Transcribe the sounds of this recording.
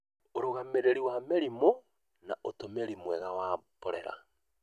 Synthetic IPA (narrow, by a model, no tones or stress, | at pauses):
oɾoɣameɾeɾiwameɾimo | naʔotomeɾimwɛɣawapɔɾɛ̰ɾa̰